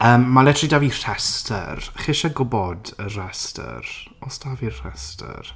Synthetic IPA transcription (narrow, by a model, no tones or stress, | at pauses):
əːmːalˠɛtʰridavir̥ɛstʰə̰rχɪʃaɡʊbɔdərɛstʰə̰r | ɔsd̥avirɛstʰə̰r